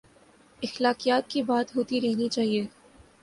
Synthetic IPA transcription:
ɪxlaːqijaːt̪̚kibaːt̪ɦoːt̪iɾɛɦnit͡ʃaːɦie

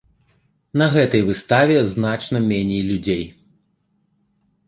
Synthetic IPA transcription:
nɐɣɛt̪ɐjvɨst̪avʲɛzn̪at͡ʂnɐmʲɛnʲɛjlʲud͡zʲej

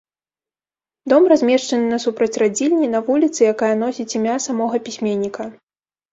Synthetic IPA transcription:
d̪ɔmrazʲmʲɛʂt͡ʂɐnɨnɐsupɾɐt͡sʲrad͡zʲilʲnʲinɐvulʲit̪sɨjakajɐnɔsʲit͡sʲimʲasamɔɣɐpʲisʲmʲenʲːikɐ

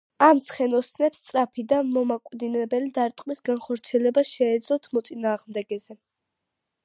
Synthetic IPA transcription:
amsχɛnɔsʰnɛpst̪sʼɾapʰid̪amɔmakʼwd̪inɛbɛlid̪aɾt̪ʼqʼmisɡanχɔɾt̪sʰiɛlɛbaʃɛːd̪zlɔt̪ʰmɔt̪sʼinaːʁmd̪ɛɡɛzɛ

